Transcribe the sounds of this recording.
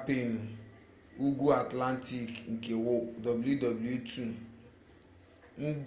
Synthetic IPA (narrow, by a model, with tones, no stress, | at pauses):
pe˦˨nu˨ | u˦ɡʷu˦a˨tla˦n˦ti˦˨kŋ̩˨ke˨wʊ˦dɔ˨bu˨lju˦dɔ˨bu˨lu˦tu˦˨ | n̩˦d